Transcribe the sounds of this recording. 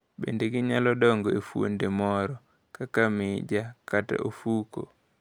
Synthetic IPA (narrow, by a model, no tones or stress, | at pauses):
bḛndeɡiɲalɔdɔŋɡɔefuo̰ndemɔɾɔ | kakamɪd͡ʒakata̰ʔofuko̰